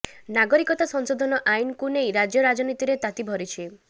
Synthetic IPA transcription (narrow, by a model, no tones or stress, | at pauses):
naɡɔɾikɔt̪asɔŋsod̪ʱɔnɔʔajinɔkunejɾad͡ʒjɔɾad͡ʒɔnit̪iɾet̪at̪ibʱɔɾit͡ʃʰi